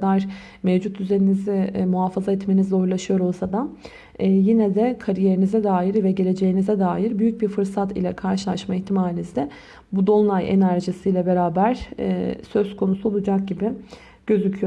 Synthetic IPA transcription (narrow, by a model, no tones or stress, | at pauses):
d̪aɾ | mevd͡ʒut̪d̪yze̞ninizɪmuɦafazaɛt̪me̞nizo̞jlˠaʃɯjo̞ɾo̞lˠsad̪aː | jinɛd̪ɛkʰaɾije̞ɾinizɛd̪aːɦiɾvɛɟe̞lʲe̞d͡ʒe̞jinizɛd̪aːjiɾbyjyc̚biɾfɯɾsat̪ḭlʲɛkʰaɾʃɯlˠaʃmaiçt̪ʰimaːlʲizd̪ɛ | bud̪o̞lˠnˠajḛnæɾʒisijlʲɛbe̞ɾaːbæɾ̥̰ | sø̞zkʰo̞nusuo̞lˠud͡ʒak̚ɟibɪ | ɟ̥ø̞zycʰyjo